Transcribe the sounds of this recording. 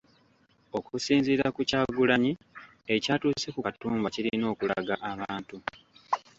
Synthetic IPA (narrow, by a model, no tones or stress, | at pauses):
o̞kusiːnziːɾakucaːɡulaɲi | ecaːtuːse̞kukatuːmbaciɾino̞ːkula̰ɡaʔaβaːntu